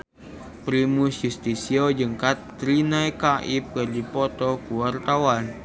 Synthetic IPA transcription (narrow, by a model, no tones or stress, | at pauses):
pɾimusjust̪isiod͡ʒəŋkat̪ːɾinajkaʔip̚kərdipɔt̪ɔkuwart̪awan